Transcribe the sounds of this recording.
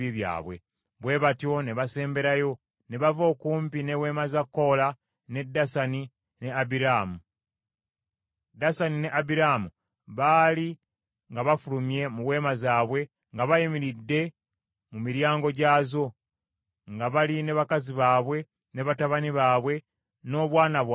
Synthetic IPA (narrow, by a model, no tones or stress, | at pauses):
iβja̰ːβwe̞̰ | βwe̞ːβatjo̞neβase̞ːmbe̞ɾajo̞ | neβavo̞ːkuːmpinewe̞ːmazakːo̞la | ne̞dːasani | ne̞abiɾaːmu | dasanine̞ʔabiɾaːmu | βali | ŋɡaβafulumje̞muwe̞ːmazaːβwe̞ | ŋɡaβajimiɾidːe̞ | mumiɾjaːŋɡo̞ɟaːzo̞ | ŋɡaβalineβakaziβaːβwe̞ | ne̞βataβaniβaːβwe̞ | no̞ːβwaːnaβwa